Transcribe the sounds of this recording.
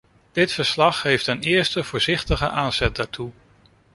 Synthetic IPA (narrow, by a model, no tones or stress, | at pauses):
d̥ɪtfəɹslɑχɦejftənɪːɹstəv̥ʊːɹzɪχtəχəʔaːnz̥ɛt̚daːtʰu